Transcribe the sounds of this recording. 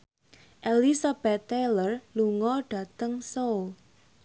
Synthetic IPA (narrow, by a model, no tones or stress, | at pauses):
ʔelisab̥ɛt̪ːelərluŋɔɖ̥ä̤t̪əŋsol